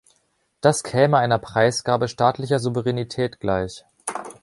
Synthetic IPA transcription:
d̥askʰɛːməaɪnɐpʁ̥aɪsɡ̥aːbəʃtaːtlɪçɐzuvəʁɛnitʰɛːtɡ̥laɪç

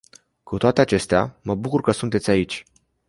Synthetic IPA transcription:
kut̪oat̪eat͡ʃe̞st̪ea̰məbukurkəsunt̪et̪ʲait͡ʃʲ

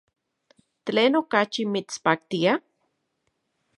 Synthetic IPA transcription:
tleːnokat͡ʃimit͡spaːkt̪ia

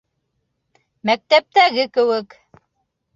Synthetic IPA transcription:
mæk̚t̪æp̚t̪æɣɘkɘ̆wɘk

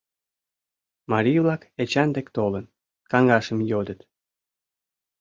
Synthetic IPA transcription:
mɑɾʲijvlɑket͡ɕænd̪ekt̪olən | kɑŋɡɑʃə̆mjod̪ət̪

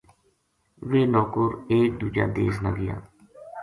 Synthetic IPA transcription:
ʋeːnɔːkʊɾeːkd̪uːd͡ʒã̰ːd̪ḛːznə̰ɡɪjã̰ː

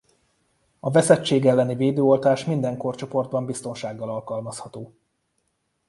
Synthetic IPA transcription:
ɒvɛsɛt͡ʃːeːɡɛlːɛniveːd̪øːolt̪aːʃmind̪ɛŋko̞rt͡ʃo̞po̞rd̪bɒmbist̪o̞nʃaːɡːɒlɒlkɒlmɒshɒt̪oː

